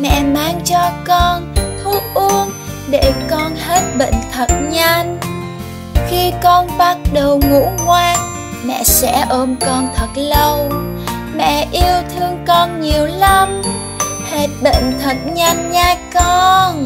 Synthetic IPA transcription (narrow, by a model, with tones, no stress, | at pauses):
mɛ̰˧˨maː˧ŋt͡ɕɔ˧kɔ˧nt̪ʰu˨˧˦ʔɨ˧ən | ɗe˧˩kɔ˧nhe˦˥t̚ɓḛ˧˨ŋ̟t̪ʰə˨˩t̚ɲa˧ŋ | xi˧kɔ˧nɓa˦˥t̚ɗə˨˩wŋṵ˧˥ŋwaː˧n | mɛ̰˧˨sɛ̰˧˥ʔo˧mkɔ˧nt̪ʰə˨˩t̚lə˧w | mɛ̰˧˨ʔi˧əwt̪ʰɨ˧əŋkɔ˧nɲi˨˩əwlə˧m | he˦˥t̚ɓḛ˧˨ŋ̟t̪ʰə˨˩t̚ɲa˧jŋɲaː˧kɔ˧n